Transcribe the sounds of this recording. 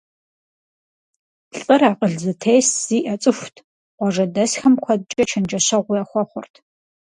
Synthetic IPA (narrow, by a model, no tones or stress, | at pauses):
ɬʼɨraːqəɮzɐtʰeːsz̥iːʔɐt͡sʼɨxʷtʰ | qʷɔʐɐdɐsxɐmkʷʰɔd̚t͡ʃʼɐt͡ʃʰɐnd͡ʒɐɕɐʁʷʊjaːxʷɔχʷʊrtʰ